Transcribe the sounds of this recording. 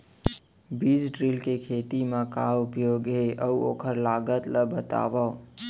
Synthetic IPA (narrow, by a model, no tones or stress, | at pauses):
bid͡ʒɖɾilkekʰet̪imãkaːʊpjoːɡɦeʔəuo̰ːkʰəɾlaːɡət̪ləbət̪a̰ːʋə